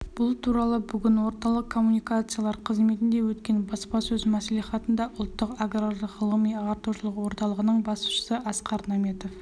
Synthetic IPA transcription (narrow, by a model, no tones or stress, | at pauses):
b̥ʊlˠt̪ʰuɾɑlˠəbʏɡʲɪnwo̞ɾt̪ɑlˠəqqkʰːo̞mːunijkat̪sɨjalˠɑɾqʰəzme̞t̪ɪnd̪e̞wɵt̪kʲe̞nbɑspɑsɵzmæsliχɑt̪ənd̪ɑʔʊlˠt̪ːəqaɡrarəʁəlˠəmijɑʁɑɾt̪uʃəlˠəqwo̞ɾt̪ɑlˠəʁənəɴbɑsʃə̥səʔɑsqɑɾnɑme̞t̪o̞f